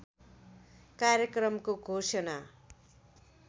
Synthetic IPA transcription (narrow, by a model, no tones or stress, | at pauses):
karjʌkrʌmkoɡʱosʌna